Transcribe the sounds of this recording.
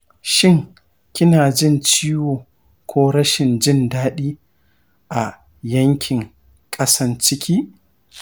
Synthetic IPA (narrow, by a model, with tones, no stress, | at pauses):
ʃɪ˦ŋ | kʲɪ˦naː˨d͡ʒɪ˦˨nt͡ʃiː˦woː˨ | kʷʰoː˦ɽɐ˦ʃɪ˨nd͡ʒɪ˦ndaː˦ɗiː˦ | ʔa˨ | jɐ˦ŋkʲʰɪ˨ŋ | kʼɐ˦sɐ˦nt͡ʃɪ˦kʲiː˦